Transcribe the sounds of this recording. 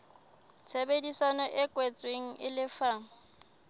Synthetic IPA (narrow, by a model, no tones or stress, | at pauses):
t͡sʰebedisanɔʔɪkʼwet͡sʼweŋ̩ʔɪlɪfa